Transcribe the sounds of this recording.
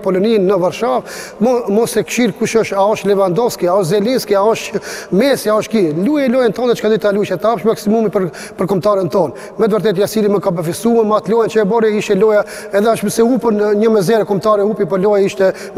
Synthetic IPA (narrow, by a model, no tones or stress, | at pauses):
pɔlɔninːəvaɾʃavmɔmɔsɛkʃiɾkuʃɔʃaɔʃt̪lɛvand̪ɔvskiaɔʃzɛlinskiaɔʃmɛsiaɔʃkilujalɔjant̪ɔnðɛt͡ʃə̥kad̪it̪aluʃɛt̪apʃmaksimumipəɾ | pəɾkɔmt̪aɾɛnt̪ɔn | mɛt̪əvəɾt̪̬ɛt̪jasiliməkabəfisumɛnmat̪lɔjant͡ʃəɛbɔɾɛiʃt̪ɛlɔja | ɛðɛɔʃməsɛupənɲəmɛzɛɾɛkɔmt̪aɾɛupipɔlɔjaiʃt̪ɛ